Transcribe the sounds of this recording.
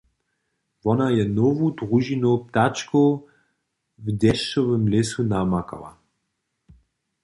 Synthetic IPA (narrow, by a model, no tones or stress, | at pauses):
vɔnajɛnovud̪ʁuʒinop̚t̪at͡ʃko | vd̪ɛʃovəmlesunamaka̰la̰